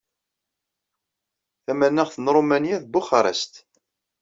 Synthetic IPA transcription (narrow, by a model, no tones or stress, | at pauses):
θæmænːəʁθənɾˤomænjæðbʊχɑɾˤə̰st̪